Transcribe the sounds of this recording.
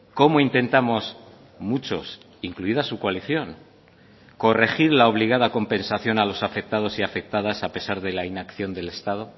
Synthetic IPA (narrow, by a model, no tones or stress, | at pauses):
ko̞moint̪e̞nt̪amo̞s | mut͡ʃo̞s | iŋkluiðasukwaliθjo̞ŋ | ko̞re̞xiɾlao̞β̞liɣ̞aðako̞mpe̞nsaθjo̞nalo̞safe̞k̚t̪að̞o̞siafe̞k̚t̪aðasape̞saɾðe̞lainakθjo̞nd̪e̞le̞st̪að̞o̞